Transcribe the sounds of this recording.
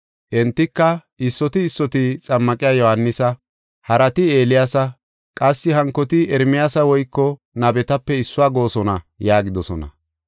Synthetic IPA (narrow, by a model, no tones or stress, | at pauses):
ʔɛnt̪ːɪkːɐʔɪsːɔt̪ɪːsːɔt̪ɪt͡sʼɐmːɐkʼɪjaːjɔhɐnːɪsɐ | hɐɾɐt̪ɪe̞ːlɪjasɐ | kʼɐsːɪhɐŋkːɔt̪ɪɛɾmɪjasɐwɔjkːɔ | nɐbɛt̪ɐpːɛɪsːʊaːɡo̞ːsɔnɐ | jaːɡɪd̪ɔsɔnɐ̰